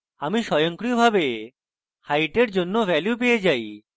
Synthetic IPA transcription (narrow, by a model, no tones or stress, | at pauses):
amiʃɔjoŋkɾiobʱabe | hajʈeɾd͡ʑonːovɛljup̬ejed͡ʑaj